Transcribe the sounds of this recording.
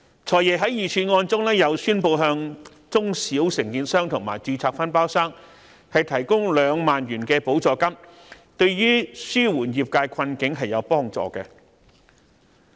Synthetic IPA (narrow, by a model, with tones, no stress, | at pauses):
t͡sʰɔː˨˩jɛː˨ɦɐ˨˥jiː˨˩t͡ʃʰyː˨˧ŋɔː˧nt͡sʊ˥ŋlɛː˥jɐ˨˧wsyː˥npo˧wɦœː˧ŋ | t͡sʊ˥ŋsiː˨˥wsɪ˨˩ŋk̪iː˨˧nsœː˥ŋt̪ʰʊ˨˩ŋmaː˨˩jt͡ʃyː˧t͡sʰaː˧k̚fɐ˥npaː˥wsaː˥ŋ | hɐ˨jt̪ʰɐ˨˩jkʊ˥ŋlœː˨˧ŋmaː˨nɥyː˨˩nkɛː˧po˨˥wt͡sɔː˨˧kɐ˥m | t̪ɵ˧ɥjyː˥syː˥wuː˨˩njiː˨p̚kaː˧jkʰɐ˧nkɪ˨˥ŋɦɐ˨jːɐ˨˧wpɔː˥ŋt͡sɔ̰ː˨kɛ˧